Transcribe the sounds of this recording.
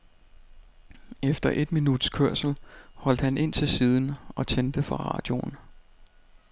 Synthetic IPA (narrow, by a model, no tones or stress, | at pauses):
efd̥ɐʔe̝d̥minud̥skʰøɐ̰sl̩hɒ̽l̰d̥hæne̝n̰t͡sʰe̝sið̞ˠn̩ɒ̽t͡sʰend̥əfʁɑ̈ʁɑ̰̈ːd̥jo̝n